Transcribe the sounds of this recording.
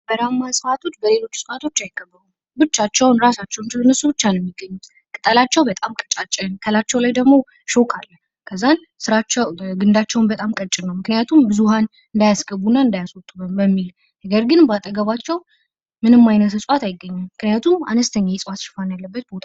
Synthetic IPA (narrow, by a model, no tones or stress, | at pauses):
bəɾamːasʼɨfat̪ʰo̞t͡ʃːbəle̞lo̞t͡ʃːsʼɨʔat̪ʰo̞t͡ʃːajɪkʰːəbːəɾu | bɨt͡ʃːat͡ʃːɛwnɾasat͡ʃːɛwnt͡ʃwnːəsubɨt͡ʃːanɛmːiɡəɲːu | kʼɨt̪ʼəlat͡ʃːɛwbət̪ʼamkʼət͡ʃʼat͡ʃʼːɛnkʰəlat͡ʃːɛwlajd̪əɡmo̞ | ʃokʰalːə | kʰəzːan | sɨɾat͡ʃːɛwɡɨnd̪at͡ʃːɛwnbət̪ʼamkʼət͡ʃʼɪnːəwmɨknɨjat̪ʰumbɨzuhan | ɨnd̪ajasɡəβunːaɨnd̪ajaswɔt̪ʼːuβəmbəmːil | nəɡəɾɡɨnbat̪ʼəɡəβat͡ʃːɛw | mɨnɨmːajnət̪ʰɨsʼat̪ajɪɡːəɲːammɨknɨjat̪ʰuma̰nəst̪ʰəɲːajɛsʼɨwat̪ʃɪ̥fanjalːəbːət̪̚bot̪ʰa